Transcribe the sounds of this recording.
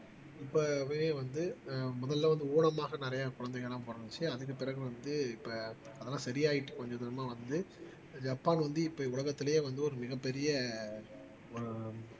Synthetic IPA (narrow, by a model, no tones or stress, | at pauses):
ɪpːoʋeeːʋɐnd̪ɯmʊðɐllɐʋɐnd̪ɯuːɳɐmaːɣɐnɪɾɐjɐkʊɻɐnd̪ɛɣɐɭːãːpoːɾɐnɯt͡ʃːɯɐðɯk̬ːɯpɪɾɐɣɯʋɐnd̪ɯɪpːɐ | ɐðɛlãːsɐɾɪjaːjɪʈːɯ̃kɔɲd͡ʒɐðɐɾɐmaːʋɐnd̪ɯ | d͡ʒɐpːaːnʋɐnd̪ɯɪpːɐːʊɭɐɣɐt̪ːɪlɐjeːʋɐnd̪ɯɔɾɯmɪɣɐpːɛɾɪjɐ | ɔɾɯ